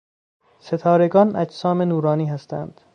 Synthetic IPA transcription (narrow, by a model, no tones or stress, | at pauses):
se̞t̪ʰɒːɾe̞ɡɒːnʔæ̰d͡ʒsɒːmenuːɾɒːniːɦæst̪ʰæ̰nd̪̥